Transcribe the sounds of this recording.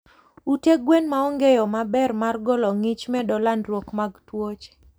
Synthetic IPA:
uteɡwenmaɔŋɡejɔmabɛrmarɡɔlɔŋɪt͡ʃmɛdɔlandɾwokmaɡtwot͡ʃ

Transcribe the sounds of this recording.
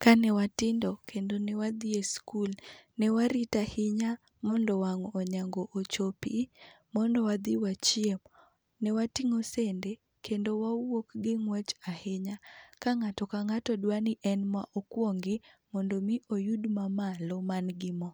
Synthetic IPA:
kanɛwatɪndɔkʰendonɛwad̪ieskulnɛwaɾitahɪɲa | mɔndɔwaŋoɲaŋɡoʔot͡ʃopi | mɔndɔwad̪iwat͡ʃiem | nɛwatiŋosende | kʰendowawokɡɪŋwɛt͡ʃahɪɲakaŋatɔkaŋatɔdwaniʔɛnmwaʔɔkwoŋɡɪmɔndomiʔojudmamalɔmanɡɪmɔ

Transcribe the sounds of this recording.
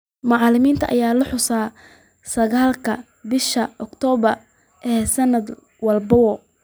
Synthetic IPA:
mɑʕɑlɪmiːnt̪ʰɐʔɐ̰jaːlʊħʊsaː | sɐɣaːlkʰɐ | bɪʃɐʔɔkt̪ʰɔːβɐr | ʔɛːsɐnːɐd̪ | wɐlbɐwɔ

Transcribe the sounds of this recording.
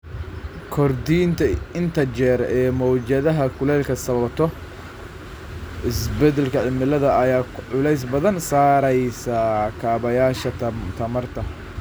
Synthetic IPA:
kʰɔrd̪iːnt̪ʰɐɪnt̪ʰɐt͡ʃɛːɾɛːmɔwd͡ʒɐðɐɦɐkʰʊlɛːlkʰɐsɐβɐbt̪ʰɔ | ɪsbɛd̪ɛlkʰɐʕɪmɪlɐðɐɐjaːʕʊlɛjs̬bɐðɐnsaːɾɛjsɐkʰaːβɐjaːʃɐt̪ʰɐmɐrt̪ʰɐ

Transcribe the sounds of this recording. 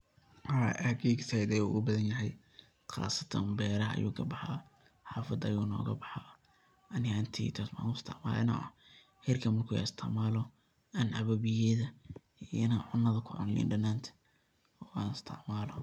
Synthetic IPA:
aʔɐɡeːɡsɛjd̪ɛjṵːɡʊbɐðɐnjɐɦɛj | qɑ̰ːsɐ̥t̪ʰɐ̰mbɛːɾɐɐ̰jṵːkʰɐbɑħɑ̰ː | ħɑːfɐd̪ɐjuːnɔ̰ːɣɐbɑħa | ɐnɪant̪ʰḭːt̪ʰɔsm̰ːnʊɪst̪ʰɐ̰ʕma̰ːlɛ̰nɐ̰ʔɐ̰ | hɛrkʰɐmɐrkʰuːa̰st̪ʰɐʕmaːlɔ | ɐnʔɐβɐβɪjɛðɐ | iɪnaːʕʊnːɐðɐkʰʊʕʊ̰nlḭːnɖɐnːaːnt̪ʰɐ̥ | ɔːaːnɪst̪ʰɐ̰ʕmaːlɔ

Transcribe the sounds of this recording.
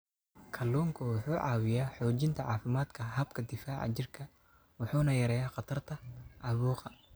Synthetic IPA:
kʰɐlːuːŋkʰʊwʊħuːʕɑ̰ːwɪjaːħɔːt͡ʃɪnt̪ʰɐʕɑːfɪmaːd̪kʰɐɦɐbkʰɐd̪ɪfaːʕɑ̰t͡ʃɪrkʰɐ | wʊħuːnɐjɐɾɛːjaːqɑt̪ʰɐrt̪ʰɐʕɑβuːqɑ

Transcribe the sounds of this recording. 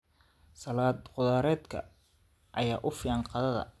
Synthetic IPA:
sɐlaːd̪qʊðaːɾɛːd̪kʰɐ̰ | ʔɐjaːʔʊfɪɑnqɑðɐðɐ̰

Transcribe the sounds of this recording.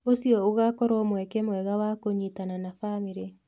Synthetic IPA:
osiɔoɣakɔɾɔmwɛkɛmwɛɣawakoɲitananafamiɾe

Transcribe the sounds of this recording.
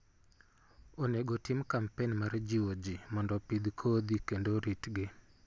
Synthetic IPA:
oneɡotɪmkampenmard͡ʒiwod͡ʒimɔndɔpid̪kʰod̪ikendoɾitɡɪ

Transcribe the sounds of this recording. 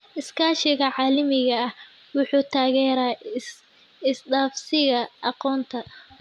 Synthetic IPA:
ʔɪskʰaːʃɪɣɐʕɑːlɪmɪɣɐɐh | wʊħuːt̪ʰaːɣɛːɾaː | ɪsd̪aːfsɪɣɐʔɑqɔːnt̪ʰɐ

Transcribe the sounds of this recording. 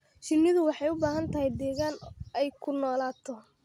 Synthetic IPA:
t͡ʃɪnːɪðʊwɑħɑjʊbaːɦɐnt̪ʰɐɦɛjd̪ɛːɣaːnɛjkʰʊnɔːlaːt̪ʰɔ

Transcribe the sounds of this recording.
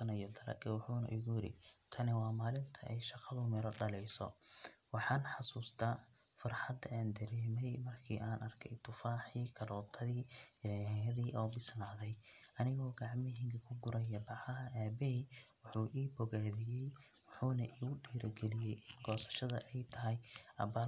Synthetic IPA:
ɐnɐjɔd̪ɐlɐ̰kʼɐwʊħuːnɐ̰ʔɪ̰ɣʊjɪɾɪ̰t̪ʰɐnɪwɑːmaːlɪnt̪ʰɐʔɛjʃɑqɐðʊmɛɾɔɖɐlɛjsɔ̰wɑħɑːnħɑsuːst̪ʰaː | fɐrħɑd̪ɐʔaːnd̪ɐɾɛːmɛjmɐrkʰḭːʔaːnʔɐrkʰɛjt̪ʰʊfaːħiːkʰɐɾɔːt̪ʰɐðiːjɐɛjɐðiːʔɔːbɪslaːðɛjʔɐnɪɣɔːɡɑʕmɪɦɪŋkʰɐkʰʊɡʊɾɐjɐbɑʕɐɦɐʔaːbɛɦiwʊħuːʔiːbɔɣaːðɪjɛj | wʊħuːnɐʔiːɣʊɖiːɾɐɡɛlɪjɛjʔɪnɡɔːsɐ̥ʃɐðɐ̰ʔɛjt̪ʰɐɦɛjʔɐ̰baː

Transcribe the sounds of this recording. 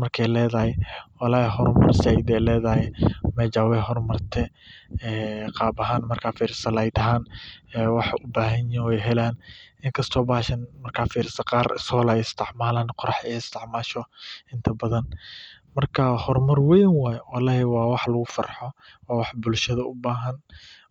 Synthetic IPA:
mɐrkʰɛjlɛːðɐhɪwɑlaːhɦɔrmɐ̰rsɛjd̪ɛːlɛːðɐhɪmɛd͡ʒaːwɛɦɔrmɐrt̪ʰɛ | ɛːqɑːbɐɦaːnmɐrkʰaːfiːɾɪst̪ɐlɐjd̪ɐɦaːnɛːwɑħʊbaːɦɐnjinwɛjɦɛlaːnʔɪŋkʰɐst̪ʰɔːbaːʃɐnmɐrkʰaːfiːɾɪst̪ɐqɑːrsɔːlɐɪst̪ʰɪʕmaːlaːnqʊɾɑħɛjɪst̪ʰɪʕmaːʃɔɪnt̪ʰɐbɐðɐn | mɐrkʰahɔrmɐrwɛjnwaːjwɔlaːhɛwɑːwɑħlɐɣʊfɐ̰rħɔ | wɑːwɑħbʊlʃɐðɐʊbaːɦɐn

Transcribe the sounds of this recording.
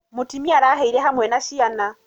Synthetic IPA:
mʊtʰimiaɾaɦeilɛɦamwɛnaʃiana

